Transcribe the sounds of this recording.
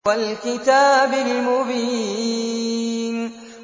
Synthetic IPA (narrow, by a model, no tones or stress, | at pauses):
alkɪt̪aːbɪlmʊbiː | n